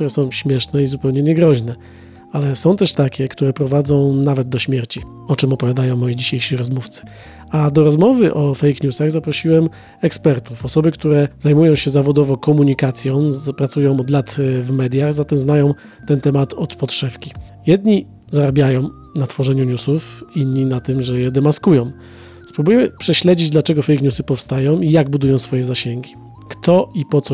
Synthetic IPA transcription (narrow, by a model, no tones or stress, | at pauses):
t̪uɾɛsɔ̃w̃ɕmʲjɛʂnɛizupɛwɲɛɲɛɡɾɔʑnɛ | alɛsɔ̃w̃t̪ɛʂt̪akʲɛkt̪uɾɛpɾɔvad̪zɔ̃w̃navɛd̪̚d̪ːɔɕmʲjɛɾt͡ɕi | ɔt͡ʂɘmɔpɔvʲjad̪ajɔ̃w̃ːɔjid͡ʑiɕejʂiɾɔzmuft̪sɘ̥ | ad̪ɔɾɔzmɔvɘʔɔfɛjkɲusaɣzapɾɔɕiwɛm | ɛkspɛɾt̪ufɔsɔbɘkt̪uɾɛz̥ajmujɔ̃w̃ɕɛzavɔd̪ɔvɔkɔmuɲikat̪sʲjɔ̃w̃pɾat̪sujɔ̃w̃ɔd̪lat̪vmɛd̪ʲjaɣzat̪ɛmznajɔ̃w̃ | t̪ɛnt̪ɛmat̪ɔt̪pɔtʂɛfkʲi | jɛd̪ɲi | zaɾabʲjajɔ̃w̃ | nat̪fɔʐɛɲuɲusufinɲːinat̪ɘmʐɛjɛd̪ɛmaskujɔ̃w̃ | spɾubujɛmɘpʂɛɕlɛd͡ʑid͡ʑd̪lat͡ʂɛɡɔfɛjkɲusɘpɔfst̪ajɔ̃w̃ijaɡ̚bud̪ujɔ̃w̃sfɔjɛzaɕɛŋɡʲi | kt̪ɔipɔt̪sɔ